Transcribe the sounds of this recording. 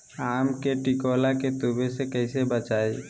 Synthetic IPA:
aːmkeʈikoːlaket̪ubesekɛɪsebət͡ʃaːe

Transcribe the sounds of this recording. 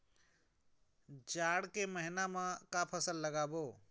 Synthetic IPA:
d͡ʒaːɽkeməɦɪnamãkapʰəsəlːəɡaːboː

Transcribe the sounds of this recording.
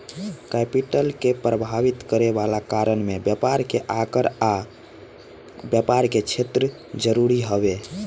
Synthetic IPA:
kɛpiʈəlkepɾəbʱaʋit̪kəɾebalakaɾəɳmebjəpaɾkeʔakəɾa | bjəpaɾket͡ʃʰet̪ɾə | d͡ʒəɾuɾiɦəβe

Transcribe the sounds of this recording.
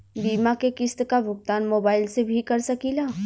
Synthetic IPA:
biːmakekɪst̪kabʱʊɡ̚t̪aːnmoːbaːɪlsebʱikɐɾsɐkiːlaː

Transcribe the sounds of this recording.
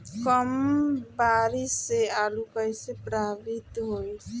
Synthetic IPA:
kɔmbaːɾisealukəjsepɾaːʋit̪ɦoj

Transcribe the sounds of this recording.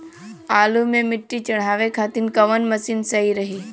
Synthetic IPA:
aːlumẽmɪʈːit͡ʃɐɽ̤aːʋekʰaːt̪inkɐʋənmɐsinsəiɾɐɦiː

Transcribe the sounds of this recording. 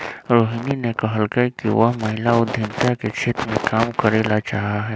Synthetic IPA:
ɾoːɦininekɐɦəlkəkiʋəɦməɦɪlaʊd̪ʱjɪnt̪aket͡ʃʰeːt̪ɾmẽkaːmkəɾeːlat͡ʃaːɦaɦɛː

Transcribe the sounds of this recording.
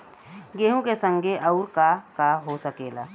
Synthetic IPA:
ɡeːɦũkesə̃ŋɡʱeʔɐʊɾkakaɦosəkeːla

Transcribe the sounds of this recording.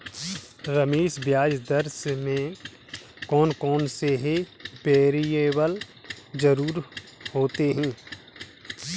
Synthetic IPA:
ɾəmeːʃbjaːd͡ʒd̪əɾsmẽ | kɔːnkɔːnseɦebeːɾijewəld͡ʒəɾuːɾhoːt̪eɦɛ̃ː

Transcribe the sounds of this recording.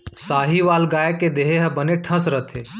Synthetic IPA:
saːɦiʋaːlɡaːjeked̪eːɦeɦɐbəneʈʰɐ̃sɾət̪ʰeː

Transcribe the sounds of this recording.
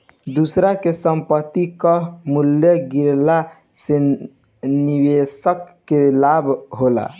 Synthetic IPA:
d̪usɾakesəmpət̪ːikəɦmuljəɡiɾla | se | niwesəkːelabʱɦola̰

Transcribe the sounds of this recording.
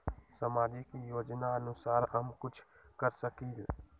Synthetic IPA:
səmaːd͡ʒikijoːd͡ʒnaənʊsaːɾɦəmkʊt͡ʃʰ | kəɾsəkiːl

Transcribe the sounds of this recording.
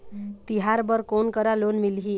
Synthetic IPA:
t̪iɦaɾbʌɾkonkʌɾalonmilɦi

